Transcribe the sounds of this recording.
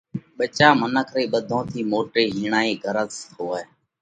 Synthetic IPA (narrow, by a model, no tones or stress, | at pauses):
ɓət͡ʃaːmənəkʰɾiːɓəd̪ʱõːt̪ʰiːmoːʈɾiːɦiːɳaːiːɡʱəɾət̪soːeː